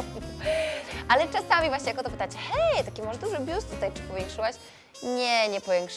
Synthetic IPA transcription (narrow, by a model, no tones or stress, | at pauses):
ʔalɛt͡ʂasamʲivwaɕɲejakɔt̪ɔpɘ̥t̪at͡ɕɛxɛjt̪akʲimɔʐɛd̪uʐɘbʲjust̪ut̪ajt͡ʂɨ̥pɔvʲjɛŋkʂɘwaɕ | ɲɛɲɛpɔvʲjɛŋkʂ